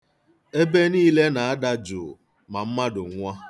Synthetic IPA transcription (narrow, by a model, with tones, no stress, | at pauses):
e˦be˦niː˦le˦na˨a˦da˦d͡ʒʊ̰˨ | ma˨m̩˦ma˦dʊ˨ŋʷa˦